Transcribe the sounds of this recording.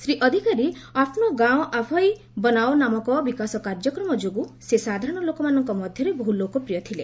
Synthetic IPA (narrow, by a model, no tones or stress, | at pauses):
sɾiʔɔd̪ʱikaɾiapʰnɔɡãw̃ʔapʰɔj | bɔnawnamɔkɔbikasɔkaɾd͡ʒɔkɾɔmɔd͡ʒoɡusesad̪ʱaɾɔ̃ɽ̃ɔlokɔmanɔŋkɔmɔd̪ʱjɔɾeboɦulokɔpɾijɔt̪ʰile